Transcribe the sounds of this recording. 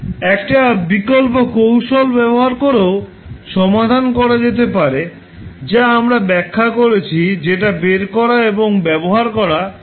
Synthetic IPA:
ɛkʈabikolp̬okowʃolbɛboɦaɾkoɾeo | ʃɔmad̪ʱankɔɾad͡ʑet̪epaɾe | d͡ʑaamɾabɛkʰːakoɾet͡ɕʰid͡ʑeʈabeɾkɔɾaeboŋbɛboɦaɾkɔɾa

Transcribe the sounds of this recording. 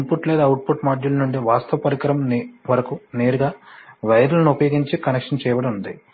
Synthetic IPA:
impuʈleːd̪aːwuʈ̚puʈmaːd͡ʒulɐnuɳɖiʋaːst̪ʰɐʋɐpɐɾikɐɾɐmʋɐɾɐkuneːɾuɡaːʋɐjɐɾɐlɐnuupɐjoːɡiɲt͡ʃikɐnekʂɐnt͡ʃɛːjɐʋɐɽɐmund̪i

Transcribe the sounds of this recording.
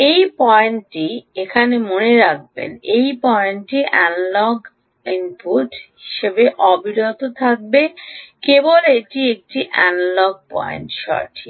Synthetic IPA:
ejpɔenʈiekʰanemoneɾak̚bḛnejpɔenʈiʔɛnlɔɡ | inpuʈɦɦiʃebeʔɔbʱiɾot̪ot̪ʰak̚bekeboleʈiek̚ʈiʔɛ̰nlɔɡ̚pɔ̰ḛnʈʃɔ̰ɾʈʰi

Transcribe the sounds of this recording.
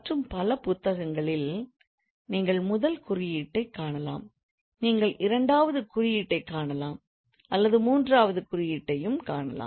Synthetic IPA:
ʈrɯmpɐlɐpʊt̪ːɐɣɐŋɡɐɭɪl | niːŋɡɐɭmʊðɐlkʊrɪjiːʈːɐɪkːaːɳɐla̰ːm | niːŋɡɐɭʔɪɾɐɳɖaːʋɐðɯkʊrɪjiːʈːɐɪkːaːɳɐlaːm | ɐlːɐðɯmuːndraːʋɐðɯkʊrɪjiːʈːɐjɯmkaːɳɐ̰la̰ː

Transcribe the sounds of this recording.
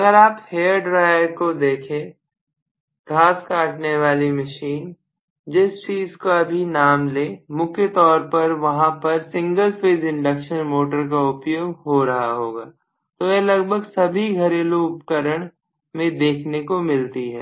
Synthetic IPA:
ɐɡəɾaːpheːəɾɖɾaːjəɾkod̪eːkʰẽ | ɡʱaːskaːʈneʋaːlimɐʃiːn | d͡ʒɪst͡ʃiːzkoɐbʱinaːmleːmʊkʰjət̪ɔːɾpɐɾʋɐɦãpɐɾsɪ̃ŋɡəlfeːzɪ̃ɳɖəkʃənmoːʈəɾk̬aʊpjoːɡɦoɾɐɦaɦoːɡaː | t̪ojɛlɐɡbʱəɡsɐbʱiɡʱɐɾeːloːʊpkəɾəɽ̃ | mẽd̪eːkʰnekomɪlt̪iɦɛː

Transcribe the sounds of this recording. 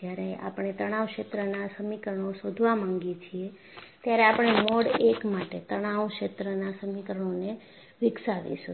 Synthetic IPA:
jaɾea̰pɳ̃et̪əɽ̃aʋkʃet̪ɾənasəmikəɾəɳ̃osod̪ʱʋamãŋɡit͡ʃʰie | t̪jaɾeapəɽ̃emɔɽekmaʈet̪əɽ̃aʋʃet̪ɾənasəmikɾəɳ̃one | ʋɪksaʋḭʃu

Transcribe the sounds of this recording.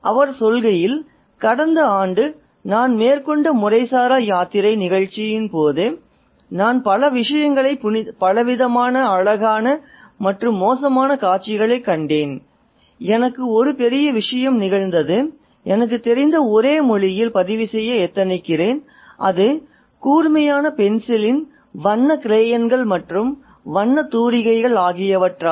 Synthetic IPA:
ʔɐʋɐɾsɔlɣɐjɪl | kɐɽɐnd̪ɐaːɳɖɯ | naːnmeːɾkɔɳɖɐmʊrɐɪsaːɾajaːt̪ɪɾɐɪnɪɣɐɻt͡ʃːɪjɪnpoːðɯ | naːnpɐlɐʋɪʂɐjɐŋɡɐɭɐɪppɐlɐʋɪðɐmaːnɐɐɻɐɣaːnɐ | mɐʈrɯmːoːs̬ɐmaːnɐkaːʈt͡ʃːɪɣɐɭɐɪkːɐɳɖeːn | ɛnɐkːɯɔɾɯpɛɾɪjɐʋɪʂɐjɐmnɪɣɐɻnd̪ɐðɯ | ʔɛnɐk̬ːɯt̪ːɛɾɪnd̪ɐɔɾeːmɔɻɪjɪlpɐðɪʋɪsɛjːɐɛt̪ːɐnɪkːɪreːn | ʔɐðɯ | kuːɾmɐjaːnɐpɛnsɪlɪn | ʋɐɳːɐkɾeːjɐnɡɐɭmɐʈrɯm | ʋɐɳːɐt̪uːɾɪɣɐɪɣɐɭaːɣɪjɐʋɐʈraː

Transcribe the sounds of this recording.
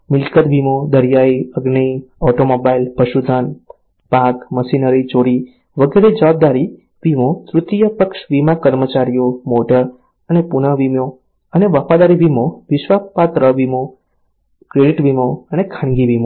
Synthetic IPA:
mɪlkət̪bʱimod̪əɾjaiəɡnəiɔʈomobailpəʃud̪ʱan | pakməʃinəɾit͡ʃoɾi | ʋəɡeɾed͡ʒəʋab̚d̪aɾi | ʋimot̪ɾʊt̪ijəpəkʃʋimakəɾmət͡ʃaɾijomoʈəɾ | ənepunəʋimo | əneʋəfad̪aɾibʱimoʋɪʃʋapat̪ɾəbimo | kɾeɖiʈʋimoənekʰãɳɡibʱimo

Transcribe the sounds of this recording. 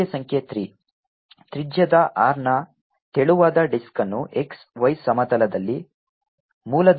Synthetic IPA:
esɐŋkʰjet̪ɾi | t̪ɾid͡ʒjɐd̪ɐʔaːɾɳɐ | t̪eɭuʋaːd̪ɐɖiskɐnːuʔeksʋɐjsɐmɐd̪ɐlɐd̪ɐlːi | muːlɐd̪

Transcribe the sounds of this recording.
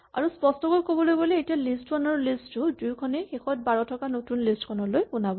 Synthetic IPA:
a̰ɹuspɔstɔɡolkobɔlojboleetijalistkʰɔnɔɹlistʊdujkʰɔnɛxexɔt̚baɹɔtʰɔkanotunlistkʰɔnɔlojkunabɔ

